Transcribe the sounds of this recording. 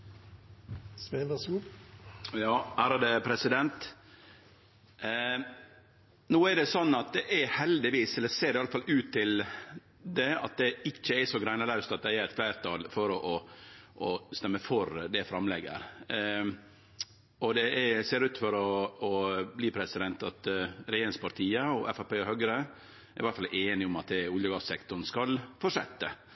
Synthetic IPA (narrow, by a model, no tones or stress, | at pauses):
sʋenəsuː | jɑːæːɾɑd̪əpʰɾɛsɪd̪ɛnt̪ | noːæɖɛsɔnːɑt̪̚d̪ɛʔæhɛld̪ɪʋiːsɛlːəɾseːɾɪɑləfɑlʉːt̪ʰːɪl | d̪ɛɑ̰t̪̚d̪ɛɪt͡ʃːəɛsɔɡɾæɪnɑɾɑʉst̪ɑt̪̚d̪æɪæɾɛt̪̚fʰlæɪɾt̪ʰɑːlfɔɾɔʔɔʔɔst̪ɛmːəfɔɾd̪ɛfɾɑmlɛɡə̰ɾ | ɔd̪ɛæseːɾʉːt̪fɔɾɔɔbliːpʰɾɛsɪd̪ɛnt̪ɑt̪ɾɛjeːɾɪnspɑɾt̪ʰiːəɔʔɛfæpeːɔhœɡɾə | ɛɾʋæɾt̪fɑlʔeːnɪʊmɑt̪̚d̪ɛʊljəɡɑssɛkt̪ʊɳ̩skɑlfɔʂɛ̰t̪ːə